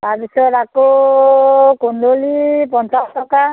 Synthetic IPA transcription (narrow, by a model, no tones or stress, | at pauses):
tabisɔɾako | kund̪ʱolipɔnsastɔka